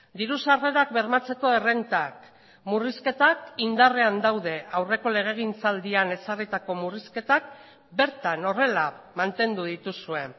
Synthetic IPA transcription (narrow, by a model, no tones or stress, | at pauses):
d̪iɾusare̞ɾak̚be̞ɾmat͡se̞ko̞e̞re̞nt̪ak | muriske̞t̪akind̪are̞and̪awð̞e̞awre̞ko̞le̞ɣ̞e̞ɣ̞int͡sald̪iane̞sarit̪ako̞muriske̞t̪ak̚ | be̞ɾt̪ano̞re̞lamant̪e̞nd̪uð̞it̪usue̞